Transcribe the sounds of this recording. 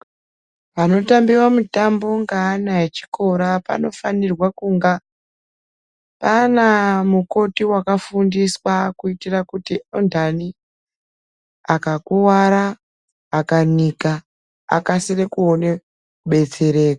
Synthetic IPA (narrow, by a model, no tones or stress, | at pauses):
pano̞tambiwamutambo̞ŋɡanaet͡ʃi̥ko̞ɾapa̰no̞fanirwakuŋɡa | panamuko̞tiwakafundiswakuitirakutiondani | akakuwaɾaː | kanika | a̰kasirekuone | kuɓe̞t͡se̞ɾe̞ːkḁ